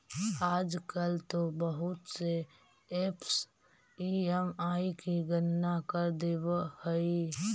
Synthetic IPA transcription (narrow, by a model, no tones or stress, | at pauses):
aːd͡ʒkəlt̪obəɦʊt̪se | epʰs | iɛmaːikiɡənnakəɾd̪eːbhəi